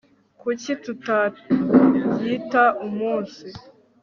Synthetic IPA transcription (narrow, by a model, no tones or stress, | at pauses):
kucituta | jitaumuːnsi